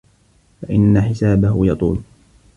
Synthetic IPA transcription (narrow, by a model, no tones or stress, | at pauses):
faʔɪnːaħɪsaːbahʊjɑt̪ˤṵːl